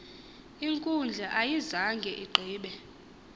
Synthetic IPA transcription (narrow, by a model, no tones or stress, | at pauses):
iŋkʼund͡ɮʱɛʔajizaŋɡʱɛʔiɡ͡ǃʱiːɓɛ